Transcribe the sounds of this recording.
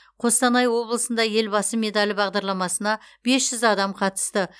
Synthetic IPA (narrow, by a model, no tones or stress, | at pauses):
qʰo̞st̪ɑnɑjwo̞blˠəsənd̪ɑje̞lbɑsəme̞d̪alʲɪbɑʁd̪ɑɾlˠɑmɑsənɑbe̞sʒ̥ʏzɑd̪ɑmqʰɑt̪ə̥st̪ə